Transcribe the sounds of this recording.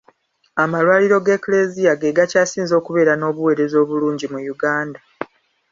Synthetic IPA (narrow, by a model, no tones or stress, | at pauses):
amalwaːliɾo̞ɡe̞klezijaɡeɡacaːsiːnzo̞ːkuβe̞ːɾano̞ːβuwe̞ːɾe̞zo̞ːβuluːɲɟimujuɡaːnda